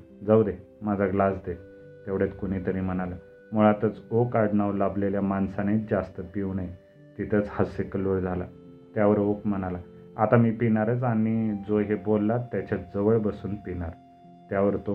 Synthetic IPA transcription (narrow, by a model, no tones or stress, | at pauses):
d͡zawd̪e | mad͡zʱaɡlasd̪e | t̪jaʋɽjet̪kuɽ̃it̪əɾiːm̤əɽ̃ala | muɭat̪ət͡sokaɽɳaʋlableljamansaned͡zast̪əpiwɳaj | t̪it̪ʰət͡shasekəlʋoɽd͡zʱala̰ | t̪jaʋəɾokm̤əɽ̃ala | at̪amiːpinaɾət͡saɽnid͡zoɦebolːat̪jat͡ɕat͡sd͡zəʋəɭbəsuːnpinaɾ | t̪jaʋəɾt̪o